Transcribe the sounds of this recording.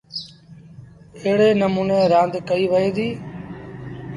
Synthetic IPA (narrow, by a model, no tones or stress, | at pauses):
eɦɽeːnəmuːneːɾãːnd̪kəiːʋəeːd̪iː